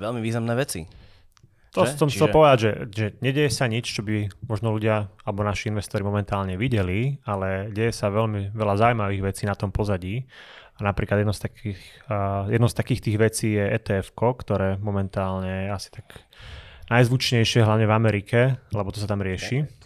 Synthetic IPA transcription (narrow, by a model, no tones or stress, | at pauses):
ʋɛlmiʋiːznamnɛːʋɛt͡sḭ | t̪ɔsɔmxt͡sɛlpɔʋɛd̪aɟʒɛʒɛɲɛɟɛjɛsaɲit͡ʃt͡ʃɔbimɔʒnɔluɟɪaalɛbɔnaʃiinʋɛst̪ɔɾimɔmɛnt̪aːlɲɛʋiɟɛlialɛɟɛjɛsaʋɛlmiʋɛlazaujmaʋiːɣʋɛt͡siːnat̪ɔmpɔzaɟiːanapɾiːklad̪ɛd̪ɔʊst̪akixjɛd̪nɔʊst̪akiːxt̪iːɣʋɛt͡siːjɛɛ̰ːt̪ɛɛfkɔkt̪ɔɾɛːmɔmɛnt̪aːlɲɛasi̥t̪aɡ̥ | najzʋut͡ʃɲɛjʃɪɛɦlaʊɲɛvamɛɾikʰɛlɛbɔt̪ɔs̬at̪amɾɪɛʃi